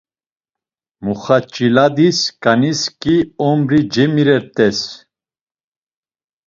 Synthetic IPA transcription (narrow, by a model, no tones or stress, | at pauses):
muχat͡ʃʼilad̪iskʼaniskʼiɔmɾid͡ʒɛmiɾɛɾt̪ʼɛs